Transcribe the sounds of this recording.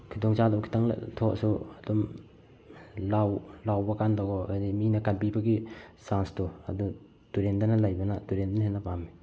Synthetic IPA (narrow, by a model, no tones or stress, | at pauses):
kʰidɔŋt͡ʃadawkʰi̥taŋla̰tʰɔ̰suadɔm | lawlawbɐkandaɡɔadiminɐkanpibɐɡisanstua̰du | tuɾendanalajbɐnatuɾendanaɦenːapami